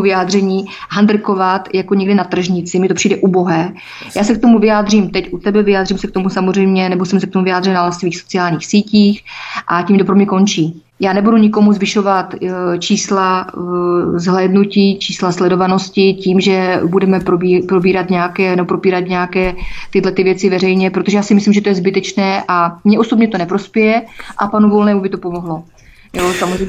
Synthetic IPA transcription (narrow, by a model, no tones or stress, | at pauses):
vɪjaːd̪r̝ɛɲiːɦand̪ɾ̩ko̞vat̪jakoɲɛɡdɪnat̪r̩ʒɲɪt͡sɪmɪt̪o̞pr̝iːdɛʔubo̞ɦɛ | jaːsɛk̚t̪o̞muvɪjaːd̪r̝iːmt̪ɛcʔut̪ɛbɛvɪjaːd̪riːmsɛk̚t̪o̞musamor̝ɛjmɲɛnɛbosɛmsɛk̚t̪omuvɪaːd̪r̝ɛnalɛfsviːxso̞t͡sɪaːlɲiːxsiːciːxʔaciːmdopɾomɲɛko̞nt͡ʃiː | jaːnɛbuduɲɪko̞muzvɪʃo̞vat̪t͡ʃiːsla | zɦlɛːdnuciːt͡ʃiːslaslɛdo̞vano̞scɪciːmʒɛbudɛmɛpɾoipɾobiːɾat̪ɲɛakɛːnɛbopɾo̞piːɾat̪ɲɛakɛːt̪ɪdlɛt̪ɪvjɛt͡sɪvɛrɛjɲɛpɾot̪oʒɛjaːsɪmɪslimʒɛt̪ojɛzbɪt̪ɛt͡ʃnɛːʔamɲɛʔo̞sobɲɛt̪o̞nɛpɾo̞spjɛjɛʔapanuvo̞lnɛːmubɪt̪o̞po̞moɦlo̞ | josamozrɛj